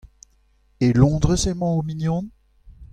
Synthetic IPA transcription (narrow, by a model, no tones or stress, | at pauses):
elɔ̃ːd̪ʁəsɛmɑ̃ominjɔ̃n